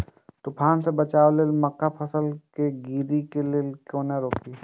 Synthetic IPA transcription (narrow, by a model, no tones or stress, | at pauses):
t̪ʊpʰaːnsebət͡ʃaːoleːlmɐkːapʰɐsəlkeɡiːɾikeleːlkjõːneɾoːpi